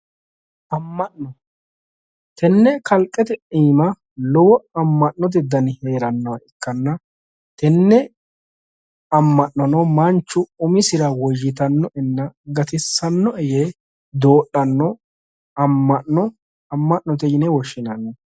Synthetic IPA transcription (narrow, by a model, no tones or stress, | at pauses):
ʔɐmːɐʔnɔ | t̪ɛnːɛkɐlkʼːɛt̪ɛʔʼiːmɐ | lɔwɔɐmːɐʔːɔt̪̬ɪd̪ɐnhe̞ːɾɐnːɐwɐɪkːɐnːɐ | t̪ɛnːɛ | ɐmːɐʔnɔnɔmɐnt͡ʃːʊʊmɪsɪɾɐwɔjːɪt̪ɐnːɔɛnːɐɡɐt̪ɪsːɐnːɔɛje | d̪oːʔɐnːɔ | ɐmːɐʔnɔ | ɐmːɐʔnɔt̪ɛjɪnɛwɔʃːɪnɐnːɔ